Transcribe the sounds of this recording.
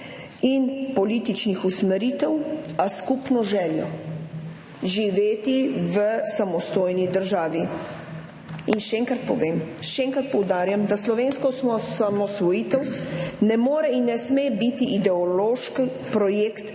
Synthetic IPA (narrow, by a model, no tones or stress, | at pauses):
inpɔliːt̪it͡ʃnixusmɛɾiːt̪ɛwaskupnɔʒɛːljɔ̰ | ʒiʋeːt̪iʋəsamɔst̪oːjnid̪əɾʒaːʋi | inʃɛɛŋkɾat̪pɔʋeːmʃɛɛŋkɾat̪̚pɔwd̪aːɾjamd̪aslɔʋeːnskɔsɔsamɔsʋɔjiːt̪ɛwnɛmoːɾɛinːɛsmebit̪iʔid̪ɛɔloːʃk | pɾɔjekt̪